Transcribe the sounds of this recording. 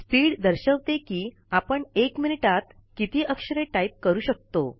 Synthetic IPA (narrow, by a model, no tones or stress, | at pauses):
spiːɽd̪əɾɕəʋt̪ekiː | apəɳekminiʈat̪ | kit̪iːʔəkʂəɾeʈaip̚kəɾuːɕək̚t̪o̰